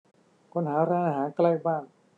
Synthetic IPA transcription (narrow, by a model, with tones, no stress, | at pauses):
kʰo˧˥˩nɦaː˩˦ɾaː˧ŋʔa˧˩ɦaː˩˦nkla˧jbaː˥˩ŋ